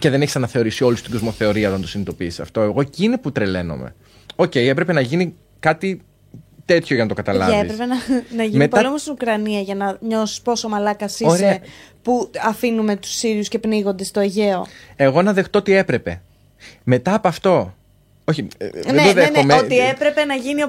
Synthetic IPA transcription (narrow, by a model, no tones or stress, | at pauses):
ce̞ðe̞neçisɐnɐθe̞o̞ɾisio̞lust̪iɡozmo̞θe̞o̞ɾiɐo̞t̪ɐnt̪osinit̪o̞piːsɐft̪o̞eɣo̞cineput̪ɾe̞le̞no̞̰mḛ | o̞ce̞ie̞pɾe̞pe̞nɐʝini | kɐt̪i | t̪e̞t̪çoʝɐnɐt̪o̞kɐt̪ɐlɐ̰ɐeispɾepenɐnɐʝinmetpoɐliomost̪inukɾɐniɐʝɐnɐɲo̞si̥spo̞somɐlɐkɐsiossɾeepuɐfinume̞t̪u̥siɾiusce̞pniɣo̞nd̪e̞st̪o̞eʝe̞o̞e̞ɣo̞nɐðe̞xt̪o̞ot̪ie̞pɾe̞pe̞ | me̞t̪ɐːpoɐft̪o̞ | o̞çineoðexomeoiepɾepe̞nɐʝinio